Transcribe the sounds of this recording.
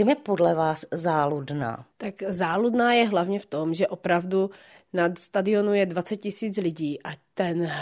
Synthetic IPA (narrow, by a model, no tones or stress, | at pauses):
t͡ʃimjɛpodlɛvaːszaːludna̰ːt̪akzaːludnaːjɛɦlavɲɛft̪o̞mʒɛʔopɾavdu | nat̪st̪adɪonujɛdvat͡sɛt̪̚cɪsiːt͡slɪɟiːʔat̪ɛn